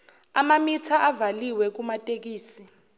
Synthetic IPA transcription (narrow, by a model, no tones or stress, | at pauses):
amamitʰaʔavaliwɛk̬umatʼek̬iːsi